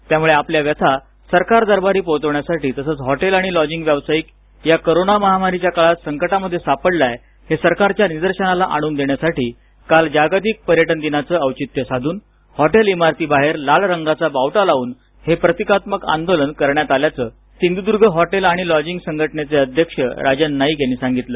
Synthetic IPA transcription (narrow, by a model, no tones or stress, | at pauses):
t̪jamuɭeapljaʋjət̪ʰa | səɾkaɾd̪əɾbaɾiːpot̪əʋɳjasaʈiːt̪əsəːt͡sɦɔʈelaɽ̃ilɔd͡ʑiŋɡʋjaʋsajiːk | jakoɾonaməɦamaɾit͡ɕjakaɭat̪səŋkəʈaməd̪ʱːjesapəɽlaj | hesəɾkaɾt͡ɕjanid̪əɾɕənalaʔaɽ̃uːnd̪eɳjasaʈiː | kald͡ʑaɡat̪̬ik̚pəɾjəʈənd̪inat͡səəwt͡ɕit̪jəsad̪ʱuːn | hɔʈelimaɾt̪iːbaɦeɾlalɾəŋɡat͡sabawʈalaʋuːn | hepɾət̪ikat̪məka̰nd̪olənkəɾɳjat̪aljat͡sə | sind̪ud̪uɾɡʱəɦɔʈelaɽ̃ilɔd͡ʑiŋɡsəŋɡʱəʈnet͡seəd̪ʱjəkʂə̰ɾad͡ʑənːaɦiɡʱeñiːsãŋɡit̪lə